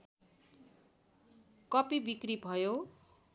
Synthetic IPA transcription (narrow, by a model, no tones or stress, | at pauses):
kʌpibikribʱʌjo